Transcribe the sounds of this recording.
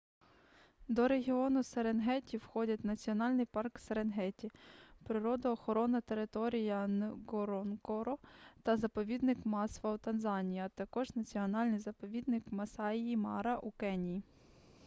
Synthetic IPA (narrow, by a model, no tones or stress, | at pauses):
d̪ɔɾe̞ɦʲiɔnʊseɾenɦɛtʲiwxɔdʲɐt̚ʲnɐt͡sʲiɔnɑlʲnɪjpɑrkseɾenɦɛtʲipɾɪɾɔd̪ɐɔxɔɾɔnɐt̪e̞ɾɪt̪ɔɾʲijɐnɡɔɾɔnkɔɾɔt̪ɐzɐpɔʋʲid̪nɪkmɑsʋɐut̪ɐnzɑnʲijɐt̪ɐkɔʒnɐt͡sʲiɔnɑlʲnɪjzɐpɔʋʲid̪̚nɪkmɐsɑiimɑ̰ɾɐʔukɛnʲiji